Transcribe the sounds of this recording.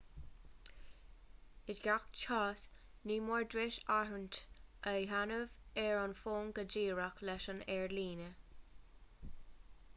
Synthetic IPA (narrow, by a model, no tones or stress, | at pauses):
ɪdɡakt͡ʃʰɑːs | niːmɔɹdɹɪʃaɹəntəɦanəvɛɹɑnfoːŋɡəd͡ʒiːɹaklɛʃənɛɹliːnə